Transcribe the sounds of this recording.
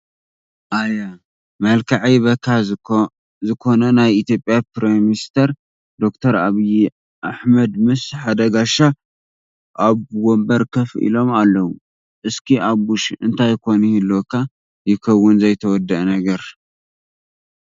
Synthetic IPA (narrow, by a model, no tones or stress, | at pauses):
ʔaja | mɐlkʰaʕijβɐkʰːa | zɨkʰo̞nɐnajit̪jo̞pʼjapɾemist̪ʰɐɾ | d̪o̞kt̪ʰɐɾaβij | ʔaħmɐd̪mɨsħad̪ɐɡaʃa | ʔaβwombɐɾkʰɐfʔḭlo̞malːɐwu | ʔɨskʰiaβːuʃʔɨnt̪ʰajkʰo̞nihɨlːokʰa | jɪkʰɐwːʊnzɐjt̪ʰɐwɔd̪ːɐʔnɐɡɐɾ